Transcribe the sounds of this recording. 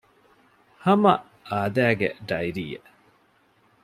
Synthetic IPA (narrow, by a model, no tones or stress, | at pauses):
hɐmɐ̰ʔ | aːd̪æːɡḛɖɐjɾiːḛ